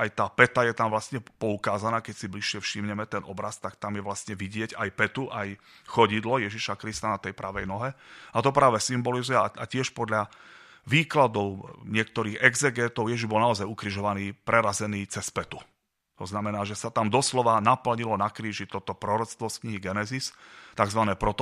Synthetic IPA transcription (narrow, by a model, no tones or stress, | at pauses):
ajt̪aːpɛt̪ajɛt̪amʋlast̪ɲɛpɔukaːzanaːkɛcsibliʃɪɛfʃimɲɛmɛt̪ɛnɔbɾast̪akt̪amjɛʋlast̪ɲɛʋiɟɪɛɟajpɛt̪uʔaj | xɔɟid̪lɔjɛʒiʃakɾist̪anat̪ɛjpɾaʋɛjnɔɦɛat̪ɔpɾaːʋɛsimbɔlizujɛaacɪɛʃpɔd̪ʎa | ʋiːklad̪ɔʊɲɪɛk̚t̪ɔɾiːɣɛɡzɛɡɛːt̪ɔʊjɛʒiʒbɔlnaɔzajukɾiʒɔʋaniːpɾɛɾazɛniːt͡sɛspɛt̪u | t̪ɔznamɛnaːʒɛsat̪amd̪ɔslɔʋanapl̩ɲilɔnakɾiːʒit̪ɔt̪ɔpɾɔɾɔt͡st̪ʋɔskɲiɦiɡɛnɛzist̪aɡzʋanɛːpɾɔt̪ɔ